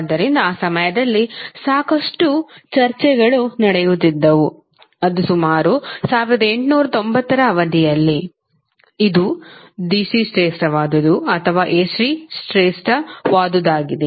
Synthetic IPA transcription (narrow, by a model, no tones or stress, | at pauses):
d̪ːɐɾind̪ɐaːsɐmɐjɐd̪ɐlːisaːkɐʂʈut͡ʃɐɾt͡ʃɛɡɐɭunɐɽɛjut̪ːid̪ːɐʋu | ɐd̪usumaːɾusaːʋiɾɐd̪ɐe̞ɳʈnuːɾɐt̪o̞mbɐt̪ːɐɾɐːʋɐd̪ijɐlːi | id̪u | d̪isisʈɾeːsʈɐʋaːd̪ud̪uɐt̪ʰɐʋaːʔeːsɾisʈɾeːsʈɐʋaːd̪ud̪aːɡid̪e